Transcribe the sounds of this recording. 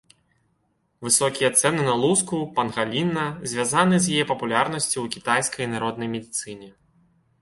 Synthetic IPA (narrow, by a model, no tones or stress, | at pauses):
vɨsɔkʲijɐt̪sɛnɨnɐlˠuskupɐnɣalʲinːɐzʲvʲazanɨzʲjajɛpɐpulʲarnɐsʲt͡sʲowkʲit̪ajskɐjnaɾɔd̪nɐjmʲɛd̪ʲit̪sɨnʲɛ